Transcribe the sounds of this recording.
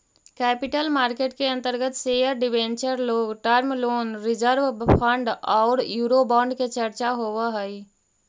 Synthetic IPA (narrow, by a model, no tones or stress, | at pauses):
kɛːpɪʈəlmaːɾkeːʈkeə̃nt̪əɾɡət̪seːəɾɖɪʋẽnt͡ʃəɾloːɡʈəɾmloːnɾɪd͡ʒəɾʋpʰə̃ɳɖɔːɾjuːɾobɔ̃ːɳɖket͡ʃəɾt͡ʃaɦoːʋaɦəi